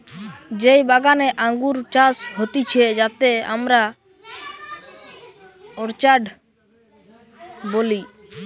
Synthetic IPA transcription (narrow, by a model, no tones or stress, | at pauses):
d͡ʒejbaɡanɛʔaŋɡuɾt͡ʃasɦot̪it͡ʃʰɛd͡ʒat̪eamɾa | ɔɾt͡ʃaɖ | boli